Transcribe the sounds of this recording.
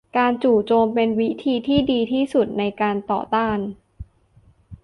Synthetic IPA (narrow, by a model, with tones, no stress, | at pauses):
kaː˧nt͡ɕuː˨˩t͡ɕoː˧mpe˧nwi˦˥t̪ʰiː˧t̪ʰiː˥˩diː˧t̪ʰiː˥˩su˨˩t̪̚na˧jkaː˧nt̪ɔ̰ː˨˩t̪aː˥˩n